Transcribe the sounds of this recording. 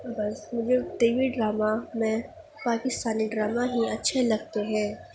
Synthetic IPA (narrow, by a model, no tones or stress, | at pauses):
bɐsmʊd͡ʒʱeɖeːʋiɖɾaːmamɛ̃ | paːkɪst̪aːniɖɾaːmaɦiɐtːʃʰelɐɡ̚t̪eɦɛ̃ː